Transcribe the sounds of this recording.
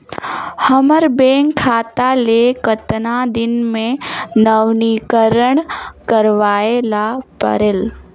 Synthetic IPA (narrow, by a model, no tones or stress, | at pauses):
həməɾbeːŋkʰaːt̪alekət̪nad̪ɪnmẽnəʋniːkəɾəɳ̃kəɾʋaːelapə̰ɾel